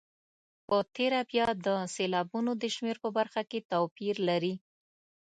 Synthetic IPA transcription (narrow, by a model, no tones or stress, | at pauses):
pət̪eɾabjɑd̪əselɑbunod̪əʃmeɾpəbaɾxaket̪awpiɾlaɾi